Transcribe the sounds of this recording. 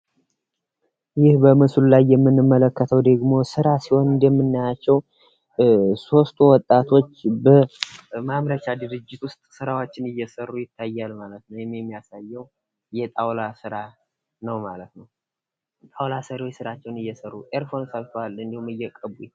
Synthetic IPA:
jɪhbəmɨslulajːɛmːɨnːɨmːələkːət̪ʰəwd̪əɡmo̞sɨɾasiho̞nɨd̪ɛmːɨnːajat͡ʃːɛw | so̞st̪ʰuwɔt̪ʼːat̪ʰo̞t͡ʃːbəmamɾət͡ʃad̪ɨɾɨd͡ʒːɪt̪wʊst̪ʼsɨɾawo̞t͡ʃːɪnɨjːɛsərːujɪt̪ʰːajːalmalət̪nəwjɛmːjɛmːijasajːɛw | jɛt̪ʼawlasɨɾa | nəwmalət̪nəw | t̪ʼawlasəɾwosɨɾat͡ʃːɛwnɨjːɛsərːuʔʼeɾfo̞nsəlfʰwalɨnd̪ihumɨjːɛkʼəβu

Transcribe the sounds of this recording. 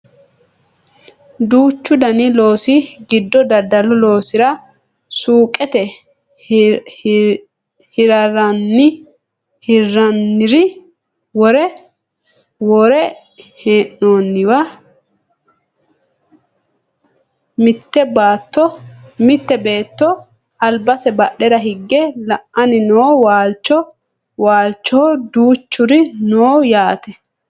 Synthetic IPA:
d̪uːt͡ʃːʊd̪ɐnɪlo̞ːsɪɡɪd̪ːɔd̪ɐd̪ɐlɔlo̞ːsɪɾɐ | suːkʼːɛt̪ɛ | hɪɾɐɾɐnːɪ | hɪrːɐnːɪɾɪ | wɔɾɛ | wɔɾɛ | heːnːoːnːɪwa | mɪt̪ːɛbaːt̪ːɔmɪt̪ːɛbe̞ːt̪ːɔ | ɐlbɐsɛbɐɗɛɾɐɦɪɡːɛlɐʔʔɐnɪnoːwaːlt͡ʃːɔ | waːlt͡ʃːod̪uːt͡ʃːʊɾɪnoːjaːt̪ɛ

